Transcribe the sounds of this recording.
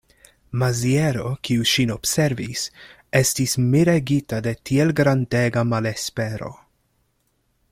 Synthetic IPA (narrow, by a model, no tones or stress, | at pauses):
mazieɾo̞kiuʃino̞bse̞ɾvis | e̞stismiɾeɡitade̞tielɡɾande̞ɡamale̞spe̞ɾo̞̰